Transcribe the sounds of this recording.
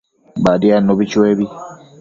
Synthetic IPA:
badianoβit͡ʃweːβi

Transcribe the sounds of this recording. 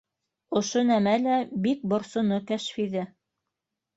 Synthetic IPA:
ŏʃonæmælæbik̚bŏɾsŏnokæʃfiðɘ

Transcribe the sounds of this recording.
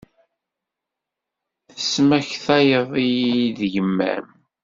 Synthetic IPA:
θəsmæçθɑjəðˤijiðəʝəmːæ̰m

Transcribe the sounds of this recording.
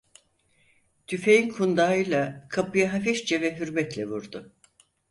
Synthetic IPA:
t̪ʰyfejinkʰund̪aːɯlˠakʰapɯjaɦafɛʃt͡ʃɛvɛɦyɾmɛt̪lʲɛvuɾd̪ʊ

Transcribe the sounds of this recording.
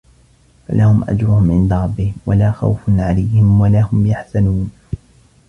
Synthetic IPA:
fa̰lʔahʊmʔa̰d͡ʒɾʊhʊmʕɪnd̪aɾˤɑbːɪhɪmwa̰laːxa̰wfʊnʕalajhɪmwalahʊmjaħsanuːn

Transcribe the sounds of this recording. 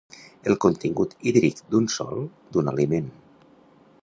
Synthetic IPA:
əlˠkont̪iŋɡut̪iðɾikd̪unsɔ̰lˠ | d̪unalimen

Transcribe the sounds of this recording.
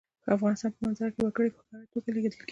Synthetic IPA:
kə̰afɣɑnɪst̪ɑnpəmanzajɾkewakəɽepəxkɑɾat̪ːoɡaleɡed̪əlke

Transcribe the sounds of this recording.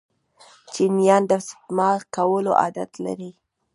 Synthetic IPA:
t͡ʃinjɑnd̪ast̪mɑkawəlo̰ʔɑ̰d̪a̰t̪la̰ɾi

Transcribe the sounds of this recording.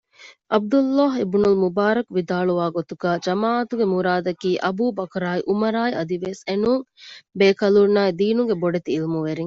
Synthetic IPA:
ʔɐb̚d̪ulːaːɦebnulmubaːɾɐkʋid̪aːɭuʋaːɡot̪uɡaːd͡ʒɐmaːʔɐt̪uɡemuɾaːd̪ɐkiːʔɐbuːbɐkɐɾaːiʔumɐɾaːiɐd̪iʋesenuːŋbeːkɐluɾnːaːid̪iːnuŋɡeboɖet̪iːlmuʋeɾiŋ

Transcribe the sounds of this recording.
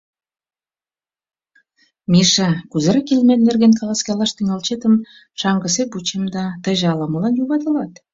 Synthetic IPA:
miʃɑkuzə̆ɾəkelmennerɣenkɑlˠɑskɑlɑʃt̪iŋɑlt͡ɕet̪ə̆m | ʃɑŋɡə̆s̬eput͡ɕemd̪ɑt̪ə̆ʒɑləmə̆lɑnjuβɑt̪ə̆lɑt̪

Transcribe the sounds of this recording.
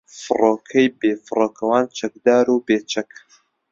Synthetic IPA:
fɨroːkʰɐjbeːfɨroːkʰɐwaːnt͡ʃʰɐk̚d̪aːɾuːbeːt͡ʃʰɐk

